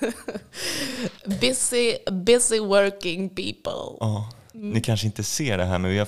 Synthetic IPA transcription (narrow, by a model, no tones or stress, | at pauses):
bɪsɪbɪsɪwɜ˞kɪ̃ŋpḭːpə̰lˠɑː | nɪkʰanʂəɪnt̪əseːɖɛɦæːɾmɛnvɪha